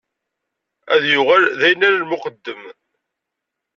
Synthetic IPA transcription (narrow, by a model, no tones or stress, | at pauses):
æ̰ðjʊʁælðæjənːæɾalmʊqəd̪ːəm